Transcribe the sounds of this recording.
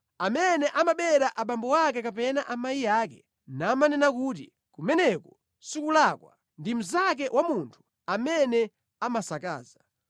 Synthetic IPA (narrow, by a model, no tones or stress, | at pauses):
amɛnɛʔamaɓɛɾaʔaɓambɔwak̬ɛkapɛnaʔamajijaːk̬ɛ | naːmanɛnakutḭ | kumɛnɛkɔ | sikulakwa̰ | ndim̩zak̬ɛwʔamuntʰu̥ | amɛnɛ | amasaka̰ːza